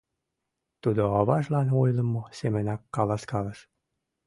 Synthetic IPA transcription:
t̪ud̪oɑβɑʃlɑnojlə̆mosemɘ̆nɑkːɑlɑskɑlə̆ʃ

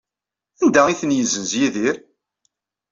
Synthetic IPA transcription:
ænd̪æiθənjəzənzjiðiɾ

